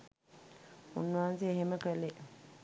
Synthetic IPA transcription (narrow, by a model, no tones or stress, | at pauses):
ṵnːəʋaanseːɦeməkəle